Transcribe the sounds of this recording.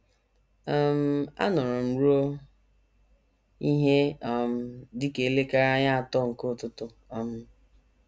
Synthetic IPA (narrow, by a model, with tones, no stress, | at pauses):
a˦m̩˦a̰˦nɔ˨ɾʊ˨m̩˨ɾu˦o˦ | i˦ɦe˦a˨m̩˦dɪ˦ke˨le˦ka˦ɾa˦ɲa˦a˨tɔ˦ŋ̩˨ko˦˨tʊ˦tʊ˦ | ɔ˨m̩˦